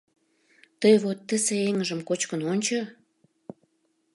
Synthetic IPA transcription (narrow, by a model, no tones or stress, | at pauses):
t̪əjβot̪ːəseeŋəʒəmkot͡ɕkənonʲt͡ɕo